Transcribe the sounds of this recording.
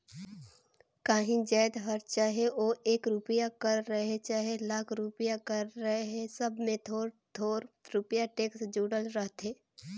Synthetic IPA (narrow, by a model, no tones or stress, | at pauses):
kaːɦĩd͡ʒaːd̪ɦɐɾt͡ʃaːɦeoːeːkɾʊpɪjakɐɾːəɦet͡ʃaːɦelaːkʰɾupijakɐɾːəɦeɦɛsəbʱmẽt̪ʰoːɾt̪ʰoːɾɾʊpjaʈeːksd͡ʒuːɽəlɾəɦt̪eː